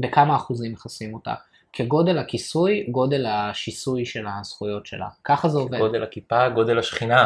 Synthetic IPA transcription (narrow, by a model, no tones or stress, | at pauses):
bekamaːχuzimeχasimota̰ | kʰeɡo̞de̞lhakisujɡo̞de̞lhaʃisujʃe̞lasχujo̞tʃe̞̰la̰kaχazeoveodelakipaɡo̞de̞lhaʃχina